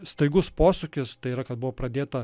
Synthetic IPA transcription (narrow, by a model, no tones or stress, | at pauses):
st̪ɐɪɡʊspoːsʊkʲɪst̪ɐɪiːɾɐkɐt̪̚bʊʋoːpɾɐd̪ʲeːt̪ɐ